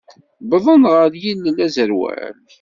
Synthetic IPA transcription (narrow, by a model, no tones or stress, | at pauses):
bðˤənʁəɾjilːlæzəɾwæ̰l